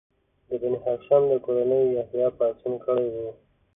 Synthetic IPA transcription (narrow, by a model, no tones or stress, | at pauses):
d̪əbaniɦɑkʃɑnd̪əkoɾanəjːahjɑpasinkəɽejwe